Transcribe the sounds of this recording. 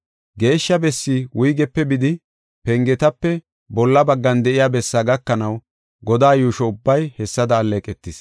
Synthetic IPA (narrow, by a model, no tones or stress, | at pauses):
ɡe̞ːʃːɐbɛsːiwʊjɡɛpːɛbɪd̪ɪ | pɛŋɡɛt̪ɐpːɛ | bɔlːɐbɐɡːɐnd̪ɛʔɪjaːbɛsːaːɡɐkːɐnɐw | ɡɔd̪aːjuːʃɔʊbːɐjhɛsːɐd̪ɐːlːeːkʼɛt̪ːɪs